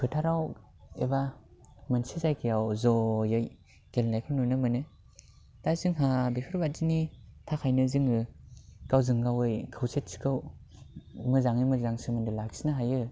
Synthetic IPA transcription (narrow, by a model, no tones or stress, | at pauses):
pʰɯtʰaɾaw | ebamɯnsizajkʰijawzɔjɯj | ɡ̥elnajkʰɯwnunɯmɯnɯ | tazɯŋɦabekʰɯɾbat̚zinitʰakʰajnɯzɯŋɯɡ̥awzɯŋɡawɯjkʰɯwsʰet̚si̥kʰɯw | mɯzaŋimɯzaŋsɯmɯndɯlaksinɯɦajɯ